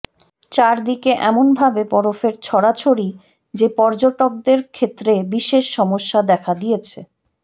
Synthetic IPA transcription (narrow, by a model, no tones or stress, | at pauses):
t͡ɕaɾd̪ikeʔɛmonbʱabepɔɾofeɾt͡ɕʰɔɽat͡ɕʰoɾi | d͡ʑepɔɾd͡ʑoʈok̚d̪eɾkʰet̪ːɾebiʃeʃːɔmoʃːad̪ɛkʰad̪ijet͡ɕʰe